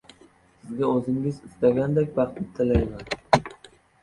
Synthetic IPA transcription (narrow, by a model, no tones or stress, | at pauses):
sɪzɡʲaɵzɪŋɪzɪst̪aɡʲand̪ekʲbɑχt̪ʰɪt̪ʰːɪlajman